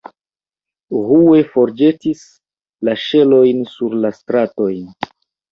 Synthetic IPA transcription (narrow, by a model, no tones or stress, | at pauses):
ɦue̞fo̞ɾd͡ʒe̞tis | laʃe̞lo̞jnsuɾlastɾato̞jn